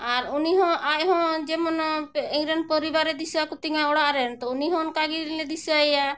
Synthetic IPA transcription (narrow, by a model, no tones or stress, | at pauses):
aɾuniɦɔ̃ʔaʔ̚ɦɔ̃d͡ʒɛmɔnɔɛŋɾanpəɾibaɾɛd̪isakut̪iŋaɔɽaʔɾɛnt̪ɔuniɦɔ̃nkaɡilɛd̪isjaɛja